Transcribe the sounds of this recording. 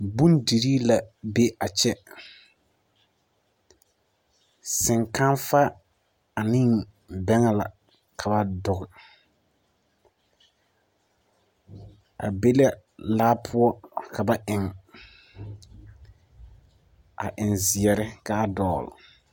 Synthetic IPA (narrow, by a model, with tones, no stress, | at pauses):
bũ˦ndi˨ɾi˦la˨be˦a˨t͡ʃɛ˦ | sɪ˨ŋka˦nfa˦ | a˨nɪ˦ŋ | bɛ˦ŋa˨la˨ | kʰa˨ba˨dʊ˨ɣɪ˨ | a̰˨be˦lɛ˦laː˦pʰʊ˦ɔ˦kʰa˨ba˨ʔɪ˨ŋ | a̰˨ʔɪ˨nzɪ˨ɛ˨ɾɪ˦ka˨a˦dɔː˦˨l̰